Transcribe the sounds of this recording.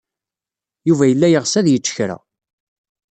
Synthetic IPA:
juvæjəlːæjəʁsæðjət͡ʃːə̥çɾæ̰

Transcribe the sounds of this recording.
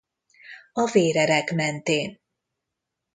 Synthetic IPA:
ɒveːɾɛɾɛkmɛnt̪eːn

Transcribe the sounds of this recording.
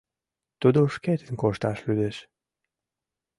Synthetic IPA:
t̪ud̪oʃket̪ənkoʃt̪ɑʃlyd̪eʃ

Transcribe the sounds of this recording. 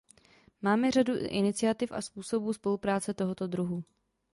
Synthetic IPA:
maːmɛr̝aduʔɪ̰nɪt͡sɪat̪ɪfʔa̰spuːso̞buːspo̞lupɾaːt͡sɛt̪o̞ɦo̞t̪o̞d̪ɾuɦu

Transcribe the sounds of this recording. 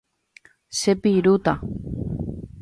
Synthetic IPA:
sepiɾut̪a

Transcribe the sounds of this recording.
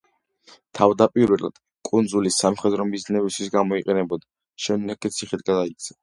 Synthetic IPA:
t̪ʰavd̪apʼiɾwɛla̰d̪̥ | kʼund̪zulisamχɛd̪ɾɔmiznɛbist̪ʰwisɡamɔiqʼɛnɛbɔd̪a | ʃɛnːɛkɛt̪sʰiχit̪ɡad̪ait̪sʰḁ

